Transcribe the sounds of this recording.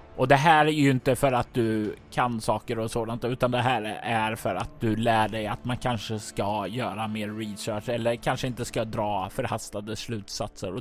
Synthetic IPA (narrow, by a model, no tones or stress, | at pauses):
ʔɔd̪ɛɦæːɾæjjɵɪnt̪əfœɾat̪̚d̪ɵkʰansɑːkəɾɔsoːd̪ant̪ʉ̟ːt̪and̪ɛɦæːɾæɾfœɾa̰t̪̚d̪ɵlæːɖɛjat̪mankʰanʂəskajœːɾameːɾːɪsœːʂɛlːəɾkʰanʂəɪnt̪əskad̪ɾɑːfœɾhast̪ad̪əslʉ̟ːt̪sat̪sə̰ɾɔ